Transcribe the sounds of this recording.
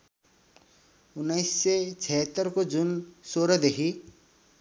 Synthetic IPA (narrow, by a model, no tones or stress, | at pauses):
ʊnːəɪsːet͡sʰɛɦət̪ːəɾkod͡ʒunsoɾʌd̪ekʰi